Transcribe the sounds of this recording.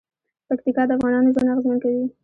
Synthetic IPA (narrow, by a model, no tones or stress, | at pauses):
pakt̪ikɑd̪əafɣɑnɑnozonaɣəzmənkawi